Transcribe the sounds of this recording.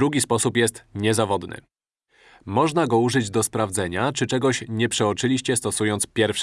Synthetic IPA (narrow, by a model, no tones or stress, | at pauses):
d̪ɾuɡʲispɔsupjɛst̪ɲɛzavɔd̪nɘ̰ | mɔʐnaɡɔuʐɘd͡ʑd̪ɔspɾavd̪zɛɲat͡ʂɘt͡ʂɛɡɔɕɲɛpʂɛɔt͡ʂɘlʲiɕt͡ɕɛst̪ɔsujɔnt̪spʲjɛɾfʂ